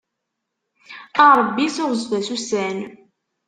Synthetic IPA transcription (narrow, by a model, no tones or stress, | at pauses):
ɑɾˤbːisʊɾzvæsusæn